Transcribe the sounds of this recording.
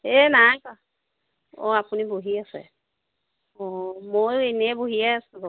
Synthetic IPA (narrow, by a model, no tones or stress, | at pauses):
ɛnajka | ɔapuniboɦiasɛ̰ | ɔmojenɛboɦiaasɛbɔ